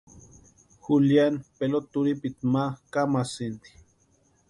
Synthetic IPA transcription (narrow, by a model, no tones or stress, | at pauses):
xuljanpelot̪uɾipit̪makamasind̪i̥